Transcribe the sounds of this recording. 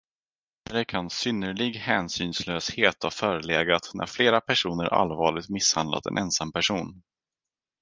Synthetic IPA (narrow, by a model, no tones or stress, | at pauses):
hɾɛkʰansʏnːəɭɪɡhɛːnsyːnsløːsheːt̪hɑfœːɾəleːɡat̪nʔæ̰ɾfleːɾapʰæʂuːnəɾʔa̰lvɑːɭɪt̪mɪshand̪la̰t̪ɛ̰nʔɛnsampæʂuːn